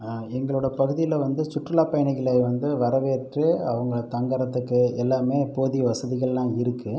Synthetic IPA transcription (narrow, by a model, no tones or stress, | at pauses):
ɛŋɡɐɭɯɽɐpɐɣɯðɪjɪlɐʋɐnd̪ɯsʊʈrɯlaːpɐjɐɳɪɣɪɭeːʋɐnd̪ɯʋɐɾɐʋeːʈrɯɐʋɐŋɡɐɭt̪ɐŋɡɐɾɐt̪ːɯkːɯɛlːaːmeːpoːðiʋɐsɐðɪɣɐɭlãːɪɾɯkːɯ